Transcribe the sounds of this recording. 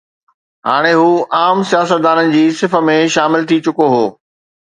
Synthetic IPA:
ɦa̰ːɽ̃eɦuːʔaːmsijaːsət̪̚d̪aːnənɪ̆d͡ʑiːsɪfə̆mẽʃaːmɪlt̪ʰit͡ɕʊkoɦoː

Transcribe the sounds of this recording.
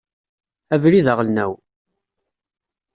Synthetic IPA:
ævɾiðəʁlnæw

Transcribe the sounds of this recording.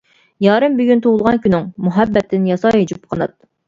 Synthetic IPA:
jɑːɾɨmbyɡʲynt̪ʰowʊlˠʁɑnkʲynɪŋmuɦɛbːɛt̪ʰːɪnjɑsɑɦed͡ʒup̚qʰənɨ̰t̪̚

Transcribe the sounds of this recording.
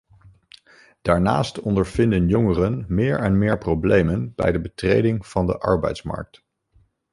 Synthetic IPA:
d̥aːɹna̰ːstɔndəɹv̥ɪndənjɔŋərənmɪːɹɛnmɪːɹprowblejmənb̥ɛ̰jdəbətrejdɪŋv̥ɑndə̰ʔɑ̰ɹbɛ̰jtsmɑ̰ɹk̚t

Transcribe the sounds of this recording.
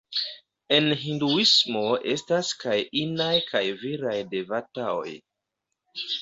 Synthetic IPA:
e̞nɦinduismo̞ʔe̞staskajinajkʰajviɾajde̞vatao̞̰j

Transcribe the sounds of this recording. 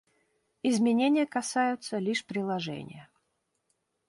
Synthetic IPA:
ɪzmʲɪnʲenʲɪjəkɐsajʊt̪səlʲiʂpɾʲɪlˠɐʐɛ̰nʲɪ̰jə

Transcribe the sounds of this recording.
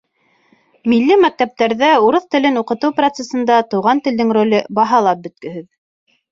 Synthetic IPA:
milːɘmæk̚t̪æp̚t̪æɾðæuɾɤθt̪ɘ̆lɘnuqɤ̆t̪ɤwprot̪sesɤ̆nd̪ɑt̪ɤ̆wʁɑnt̪ɘ̆ld̪ɘŋrolʲɘbɑɦɑlˠɑp̚bɵ̆t̪̚kɵ̆ɦɘð

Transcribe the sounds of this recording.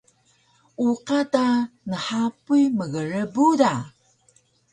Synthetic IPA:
uqatanəħapujməɣəɾəbuda

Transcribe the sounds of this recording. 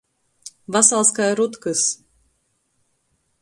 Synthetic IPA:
vasalˠskajɾut̪kɨs

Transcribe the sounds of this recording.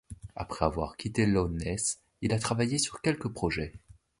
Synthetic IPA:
apχɛavwa̰ʁkʲit̪elɔnɛs | ilat̪χavajesyʁkʲɛlkəpχɔʒɛ

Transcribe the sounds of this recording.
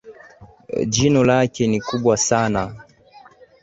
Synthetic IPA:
d͡ʒinɔlakɛnikuɓwasana

